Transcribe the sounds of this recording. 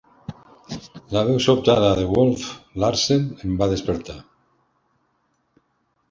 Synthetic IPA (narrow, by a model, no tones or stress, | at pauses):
laβ̞ewsopt̪aðaðeɣolflaɾsenembaðespeɾt̪a